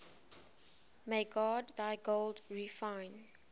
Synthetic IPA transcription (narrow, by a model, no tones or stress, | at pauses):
meɪɡɔdðaɪɡoldɹifãɪ̃n